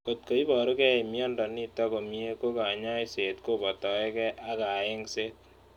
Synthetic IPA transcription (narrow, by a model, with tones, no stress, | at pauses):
ko˨t̚ko˨i˦bɔ˨ɾu˦kɛ˦e˨mjɔ˦ndɔ˨ni˦tɔ˦ko˨mie˦ko˦ka˨ɲa˦jse˨tko˦bɔ˨tɔ˨ɛ˦kɛ˦ʔa˦ka˨e˦ŋse˦t̚